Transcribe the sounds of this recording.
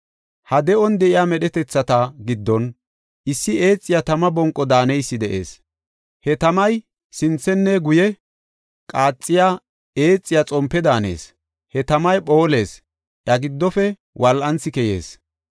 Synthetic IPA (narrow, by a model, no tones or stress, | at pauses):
hɐd̪ɛɔnd̪ɛʔɪjaːmɛɗɛt̪ɛt͡sːɐt̪ɐɡɪd̪ːɔn | ʔɪsːɪe̞ːt͡sʼːɪjat̪ɐmɐbɔŋkʼːɔd̪aːnɛjsːɪd̪ɛʔḛːs | hɛt̪ɐmɐj | sɪnt͡sːɛnːɛɡʊjɛ | kʼaːt͡sʼːɪja | e̞ːt͡sʼːɪjat͡sʼɔmpːɛd̪aːnḛːs | hɛt̪ɐmɐjpo̞ːle̞ːs | ʔɐɡɪd̪ːɔfɛ | wɐlʔɐnt͡sːɪkɛjḛːs